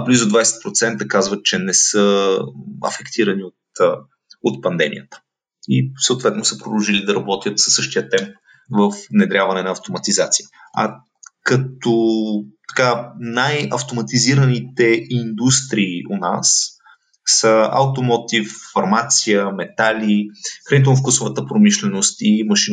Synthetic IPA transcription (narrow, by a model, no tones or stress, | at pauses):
blizʊd̪vajsɛ̥t̪̚pɾot̪sɛnt̪əkazvət̪̚t͡ʃɛnɛsə | ɐ̰fɛkt̪ʰiɾɐniot̪ | ot̪̚pɐnd̪ɛmḭjət̪ə̥ | isəʊt̪vɛt̪nʊsəɛpɾod̪əlˠʒilid̪ɐɾɐbɔt̪ʲjət̪sə̥sɤʃt̪ijət̪ɛmp̚ | vəfvnɛd̪ɾʲjavɐnɛnɐːft̪omɐt̪izat̪sijə | ɐ̰ | kɐt̪ot̪ɐ̥kanajɐ̰ft̪omɐt̪iziɾənit̪ɛind̪ust̪ɾiːona̰sː | əɐ̰wt̪omot̪ifːɐɾmat̪sijəmɛt̪alʲixɾɐnit̪ɛlˠnof̬kusʊvət̪əpɾomiʃlɛnost̪imɐʃin